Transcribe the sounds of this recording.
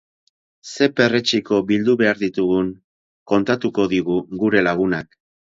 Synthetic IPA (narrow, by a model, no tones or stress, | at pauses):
se̞pe̞ret͡ʃiko̞bild̪uβe̞aɾðit̪uɣuŋ | ko̞nt̪at̪uko̞ðiɣ̞uɣuɾe̞laɣ̞unak